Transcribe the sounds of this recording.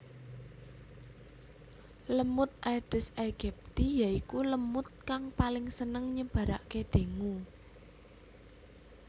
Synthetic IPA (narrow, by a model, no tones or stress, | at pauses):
ləmʊt̪̚ʔajɖ̥ɪsaɡ̥ɛp̚t̪ijaikuləmʊt̪̚kaŋpalɪŋsənəŋɲəb̥ä̤ɾaʔkeɖ̪̥e̤ŋu